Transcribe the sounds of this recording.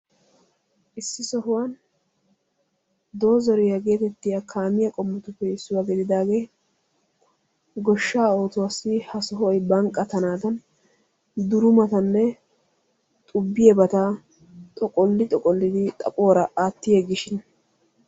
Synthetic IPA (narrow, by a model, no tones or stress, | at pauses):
ʔɪsːɪsɔɦʊwan | d̪o̞ːzɔɾɪjɐɡe̞ːt̪ɛt̪ːɪjakʰaːmɪjɐkʼɔmːɔt̪ʊpːɛɪsːʊwɐɡɛd̪ɪd̪aːɡe̞ | ɡɔʃːaːo̞ːt̪ʊwasːɪhɐsɔɦʊɔjbɐŋkʼːɐt̪ɐnaːd̪ɐn | d̪ʊɾʊmɐt̪ɐnːɛ | t̪ʼʊbːɪjɛbɐt̪a | t̪ʼɔkʼɔlːɪt̪ʼɔkʼɔlːɪd̪ɪt̪ʼɐ̰pʼo̞ːɾɐʔaːt̪ːɪjeɡɪʃɪn